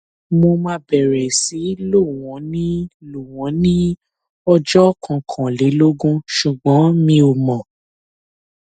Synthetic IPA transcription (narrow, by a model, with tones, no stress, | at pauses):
mo˧mã˧˦bɛ˨ɾɛ˨si˨˦lo˦˨w̃ɔ̃˨˦nĩ˦lo˨w̃ɔ̃˨˦nĩ˦ | ɔ˧d͡ʒɔ˦kʰɔ̃˨kʰã˨li˨˦lo˦ɡũ˦ʃu˨ɡ͡bɔ̃˨˦mĩ˧o˨mɔ̃˨